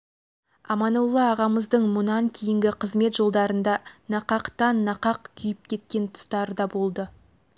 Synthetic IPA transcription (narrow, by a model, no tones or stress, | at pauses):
ɑmɑnulˠːɑːʁɑməzd̪əɴmʊnɑŋkʲʰejɪŋɡʲɪqʰəzme̞t̪ʒo̞lˠd̪ɑɾənd̪ɑnɑqɑqt̪ɑnːɑqɑqkʲʰʏjɪp̚kʲʰe̞t̪̚kʲe̞nt̪ʰʊ̥st̪ɑɾəd̪ɑbo̞lˠd̪ə